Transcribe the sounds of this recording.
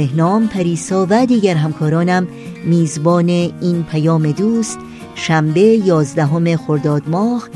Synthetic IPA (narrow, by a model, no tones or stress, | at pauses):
ehnɒːmpʰæɾiːsɒːvæd̪iːɡæɾɦæmkʰɒːɾɒːnæmː | iːzbɒːneiːnpʰæjɒːme̞d̪uːst̪ | ʃæmbe̞jɒːzd̪æɦo̞me̞xo̞ɾd̪ɒːd̪mɒːh